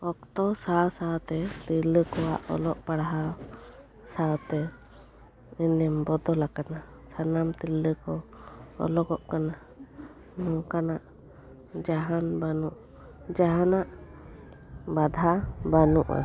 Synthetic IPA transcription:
ɔk̚t̪ɔsasawt̪ɛt̪ilːəkɔa̰ʔɔ̰lɔʔpaɽɦaw | sawt̪ɛ | inɛmbɔd̪ɔlakana | sanamt̪ilːəkɔɔ̰lɔɡɔʔkana | mɔ̃kanaʔ | d͡ʒaɦanbanuʔ | d͡ʒaɦanaʔ | bad̪ʱabanuʔa̰

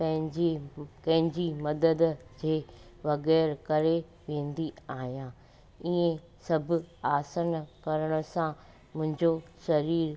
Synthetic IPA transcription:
pɐ̃ɦɪ̃d͡ʑikɐ̃ɦɪ̃ɲd͡ʑimɐd̪əd̪d͡ʑeːʋɐɣɛːɾkɐɾe | ʋẽːn̆d̪iaːɦijãː | iẽ | sɐbʱʊ̆aːsənkɐɾəɽ̃ʊ̆sã | mʊ̃ɦɪ̃ɲd͡ʑoʃɐɾiːɾ

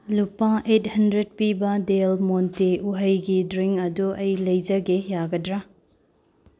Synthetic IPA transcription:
lupãʔet̚hɐndɾed̚pibɐdelmonteuɦɐjɡidɾiŋkɐduʔɐjlɐjd͡ʒɐɡejaɡɐdɾa

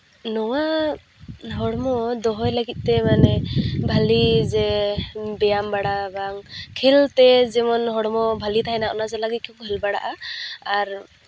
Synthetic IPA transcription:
nɔwa | ɦɔɽmɔd̪ɔɦɔjləɡit̪̚ˀt̪ɛmanɛbʱalizɛ | bɛjambaɽabaŋkʰilt̪ɛzɛmɔnɦɔɽmɔbʱalit̪ʰajnaʔɔnazalaɡit̪̚kʰukɦɛlbaɽa̰ʔaaɾ

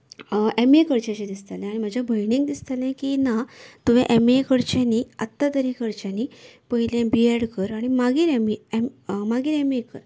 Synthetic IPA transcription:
emekəɾt͡ɕat͡ɕed̪ist̪alɛ̃aɽ̃im̤əd͡ʑʱabʱəjniŋɡd̪ist̪əlãkinat̪uʋẽʔɛmekəɾt͡ɕaniːət̪ːat̪əɾikəɾt͡ɕaniːpəɦiljẽbiɛɽkəɾaɽ̃imaɡiːɾɛmiɛmmaɡiːɾɛmekə̰ɾ

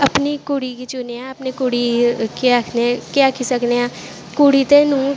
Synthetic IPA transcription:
ɐpnikuɽikit͡ʃuneãɐpnekuɽikeakʰnekjaːkisɐkneãː | kuɽit̪enũː

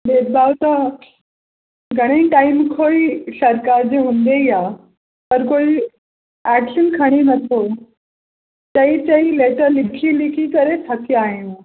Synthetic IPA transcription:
bed̚bʱawt̪ə | ɡʱəɽ̃əiʈaimkʰoiɕəɾkaɾd͡ʑeɦũnd̪eja | t̪əɾkoi | ækɕənkʰəɽ̃inət̪ʰo | t͡ɕəit͡ɕəileʈəɾlikʰilikʰikəɾesat̪ʰiaɦẽn

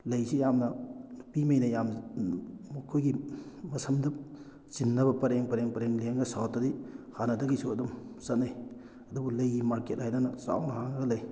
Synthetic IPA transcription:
lɐjsijamnɐpimɐjnɐjam | mɐkʰojɡimɐsʰɐmdɐp̚ | sinːɐbɐpɐɾeŋpɐɾeŋpɐɾeŋleŋɡɐsawtːɐdihanɐdɐɡisuɐdumsɐt̚naj | ɐdubulɐjɡimaɾket̚hajnɐnɐsa̰wnɐɦaŋnɐɡɐlɐj

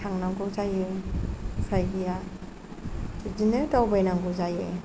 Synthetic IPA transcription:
aŋnaŋɡuzajɯ | sajɡija | zineɾtawbajnaŋɡuzaje

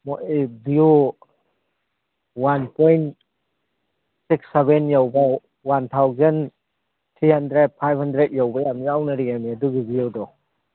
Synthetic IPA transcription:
mɔʔebiu | wanpʰɔjnt | sikseβenjawba | want̪ʰawzan | t̪ʰɾihandɾed̚pʰajbhandɾet̚jawbɐjamiawnɐɾijamiaduɡibijawdɔ

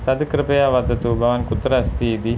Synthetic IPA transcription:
t̪ɐd̪kɾɪpɐjaʋɐd̪ɐt̪ubʱɐʋɐnkut̪ːɾɐst̪iːd̪i

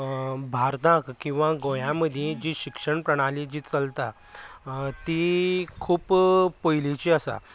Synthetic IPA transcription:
bʱaɾt̪ãkkːĩw̃ʋãɡojãməd̪ʱjed͡ʑiɕikʂəɳpɾəɽ̃alid͡ʑiːt͡səlt̪a | t̪ikʰuːppəjlit͡ɕiəsa̰

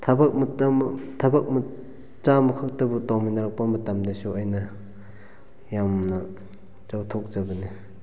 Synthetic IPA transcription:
tʰɐbɐk̚mttʰɐbɐk̚m | t͡ʃamɐkʰɯk̚tɐbutɔŋminɐɾak̚pamɐtamdasuajnɐ | jamnɐ | t͡ʃawtʰok̚zɐbɐni

